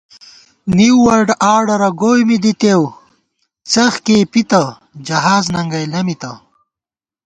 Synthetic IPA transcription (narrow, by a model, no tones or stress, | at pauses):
niwːɐɖaːɽɐɾɐɡojmid̪it̪ew | t͡sɐxkepit̪ɐ | d͡ʑɐɦaːznɐŋɡɐjlɐmit̪ɐ